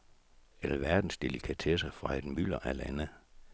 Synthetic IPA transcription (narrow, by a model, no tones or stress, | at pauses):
elʋæɐd̥n̩sd̥e̝likʰæt͡sʰesəfʁɑ̈ed̥mylɐʔælænə